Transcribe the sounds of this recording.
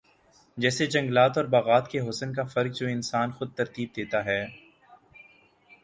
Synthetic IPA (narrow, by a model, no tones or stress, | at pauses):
d͡ʒɛːsed͡ʒɐ̃ŋɡlaːt̪ɔːɾbaːɣaːt̪keɦʊsənkafɐɾk̚d͡ʒoːɪnsaːnxʊd̪̚t̪ɐɾt̪iːb̚d̪eːt̪aɦɛː